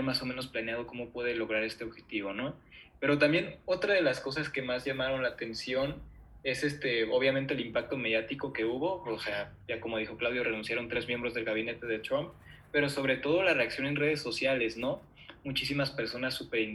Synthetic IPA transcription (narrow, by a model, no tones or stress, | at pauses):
maso̞mẽno̞splaneað̞o̞ko̞mo̞pwe̞ðe̞lo̞ɣ̞ɾaɾe̞st̪e̞oβxe̞t̪iβ̞o̞no̞pe̞ɾo̞t̪̬ambje̞no̞t̪ɾaðe̞lasko̞saske̞mazʝamaɾo̞nlaːt̪e̞nsjo̞n | e̞sest̪e̞o̞βjament̪elimpak̚t̪o̞me̞ðjat̪iko̞ke̞uβo̞osea | ʝako̞mo̞ðixo̞klawðjo̞re̞nunsjaɾo̞nt̪ɾe̞zmjembɾo̞zðe̞lɣaβ̞ine̞t̪e̞ðet̪ɾomp | pe̞ɾo̞so̞β̞ɾe̞t̪o̞ð̞o̞lare̞aksjo̞ne̞nre̞ð̞e̞sːo̞sjale̞sno̞ | mut͡ʃis̬imaspe̞ɾso̞nasːupe̞ɾin